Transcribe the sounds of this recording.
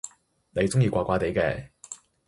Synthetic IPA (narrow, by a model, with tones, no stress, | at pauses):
ne˨˧jt͡sʊ˥ŋjiː˧kʷaː˧kʷaː˧˥t̪e˨˧jkɛ̰ː˧